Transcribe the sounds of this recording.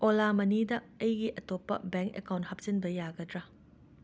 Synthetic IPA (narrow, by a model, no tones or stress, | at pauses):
ʔolamɐnidɐ | ɐjɡiʔɐtopːɐ̰beŋkḛkawnt̚hɐp̚sinbɐjaɡɐdɾɐ